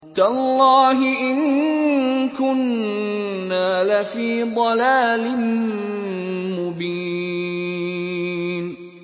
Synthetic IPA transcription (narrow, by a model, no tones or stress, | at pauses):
t̪alːɑːɦɪʔɪŋ | kʊnː | aːlafiːd̪ˤɑlaːlɪn | mʊbiː | n